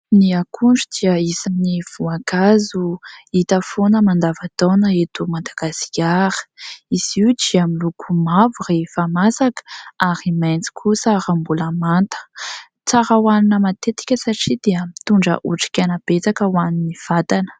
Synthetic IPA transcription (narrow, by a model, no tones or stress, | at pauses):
niakʰuɳɖ͡ʐud̪̥iəisaminiv̥uakazuit̪əfonəmand̪avat̪onəet̪umad̪aɡasi̥aɾə̥iz̥iwd͡ʒiamilukʰumavurefamasakə̥aɾimajnt͡si̥kʰusaɾambuləmant̪ə̥ | t͡saɾəwaninəmat̪et̪i̥kʲəsaʈ͡ʂid̪̥eəmit̪uɳɖ͡ʐə̰ʔuʈ͡ʂi̥kʲanab̥et͡sakəwaniniv̥at̪anə̥